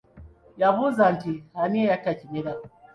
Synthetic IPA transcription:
jaβuzantihaniɛjakat͡ʃimɛla

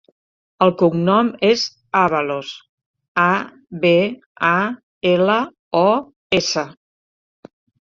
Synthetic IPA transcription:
əlˠkuŋnɔmez | aβəlos | a | βe | a | elə | ɔ | esə

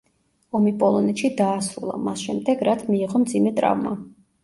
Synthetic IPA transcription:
ɔmipʼɔlˠɔnɛt̪ʃid̪aːsɾṵlˠa̰masʃɛmd̪ɛɡɾat̪ʰmiːʁɔmd̪zimɛt̪ʼɾa̰vma

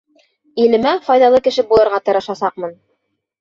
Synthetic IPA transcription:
ilɘ̆mæfɑjðɑlˠɤkɘ̆ʃɘbulˠɤ̆ɾʁɑt̪ɤ̆ɾɤ̆ʃɑsɑq̚mɤn

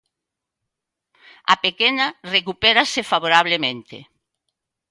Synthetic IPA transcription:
ɐ̰pekenɐrekupɛɾasefaβoɾaβ̞lemẽnt̪ḛ

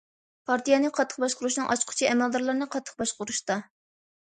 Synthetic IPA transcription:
pʰɑɾt̪ijɑnɨqʰɑt̪ʰːə̥χbɑʃqʊɾuʃnɨŋʔɑt͡ʃqʰʊ̥t͡ʃʰiɛmɛld̪ɑɾlˠɨɾnɨqʰɑt̪ʰːə̥χbɑʃqʊɾuʃt̪ɑ

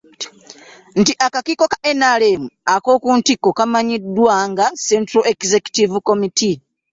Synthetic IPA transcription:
n̩tiʔakakiko̞kḁʔenalemuako̞ːkuːntikːokamaɲidːwaŋɡasentɾoʔekizeku̥tivuko̞miti

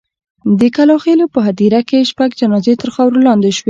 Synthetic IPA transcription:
d̪əkalɑxelopəɦat̪iɾakeʃpaɡd͡ʒanɑzet̪əɾxɑwɾolɑnd̪eʃwe

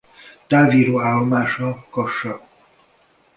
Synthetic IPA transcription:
t̪aːviːɾoːaːlːomaːʃɒkɒʃːɒ

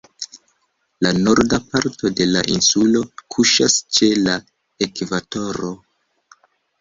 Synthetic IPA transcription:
lano̞ɾdapaɾto̞de̞la̰ʔinsulo̞kʰuʃast͡ʃe̞la | e̞kvato̞ɾo̞

